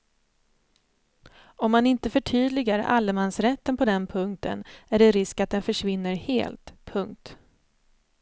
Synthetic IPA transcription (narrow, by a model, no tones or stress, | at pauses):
ɔmːanɪnt̪əfœʈʰyːd̪lɪɡaɾa̰lːəmansɾɛt̪ːənpʰɔd̪ɛnpʰɵŋkt̪ʰə̰næɖɛɾɪskat̪̚d̪ɛnfœʂvɪnːəɾhḛːlt̪pʰɵŋk̚t̪